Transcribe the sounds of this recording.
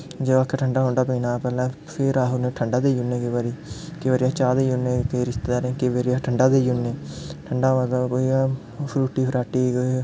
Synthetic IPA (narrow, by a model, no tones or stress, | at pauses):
d͡ʒeaːkʰːeʈʰəɳɖaːɦoːɳɖaːpiːnãːpɛːlãː | pʰɪɾaːɦʊnẽːʈʰəɳɖaːd̪eːʊnːẽːkeʋaːɾiːkeːʋəːɾɪjaːt͡ʃaːd̪eʊnːeːkeiːɾɪst̪eːd̪aːɾẽːkeːʋeɾijaːʈʰəɳɖaːd̪ed͡ʒʊnːẽːʈʰəɳɖaːad̪aːkoːiː | pʰɾuːʈiːpʰəɾaːʈiːko